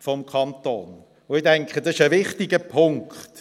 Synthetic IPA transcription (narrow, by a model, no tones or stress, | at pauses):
fɔmkʰɑntoːn | ʊɪdɛŋkχədɑsɪ̥ʃəvɪχtɪɡəpʰʊŋkχt